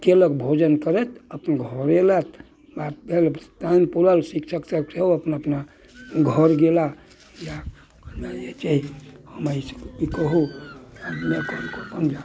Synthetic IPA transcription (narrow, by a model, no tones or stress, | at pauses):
k̪eləkbʱod͡ʒənkəɾɛt̪ʰəpnɡʱɔɾelət̪ʰ | bat̪̚bʱelst̪anpuɾəlsikt͡ʃʰəksəseoəpnaəpna | ɡʱəɾɡela | ja | mejet͡ʃaihəmaiskikəɦu | mekɔmkopənd͡ʒa